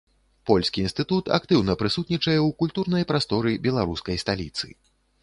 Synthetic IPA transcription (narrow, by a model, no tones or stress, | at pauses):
pɔlʲsʲkʲiinst̪ɨt̪ut̪a̰kt̪ɨwnɐpɾɨsut̪nʲit͡ʂɐjɛwkulʲt̪urnɐjpɾast̪ɔɾɨbʲɛlˠaɾuskɐjst̪alʲḭt̪sɨ̰